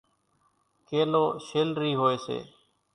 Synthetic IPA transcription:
keːloːʃeːlɾiːɦoːeːsḛː

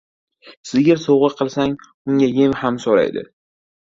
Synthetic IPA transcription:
sɪɡʲɪɾsowʁɨqʰɨlˠsaŋ | ʊŋʲajemhamsoɾa̰jd̪ɪ̰

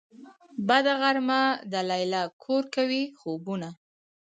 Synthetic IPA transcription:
bad̪aɣaɾmad̪əlajlakʰoɾkawixobuna

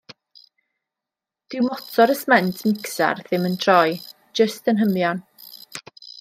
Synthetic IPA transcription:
d̥ɪwmɔtʰɔɾəsmɛntʰmɪksa̰rðɪməntʰrɔj | d͡ʒəstənɦəmjɔn

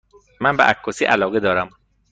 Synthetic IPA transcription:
mænbeʔækʰːosiːʔælɒːɣed̪ɒːɾæm

